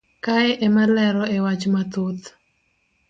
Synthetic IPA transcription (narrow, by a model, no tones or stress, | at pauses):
kaɛʔɛmalɛɾɔɛwat͡ʃmat̪ot̪